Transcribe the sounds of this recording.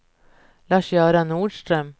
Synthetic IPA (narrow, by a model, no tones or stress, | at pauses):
lɑːʂjœːɾanuːɖʂt̪ɾœm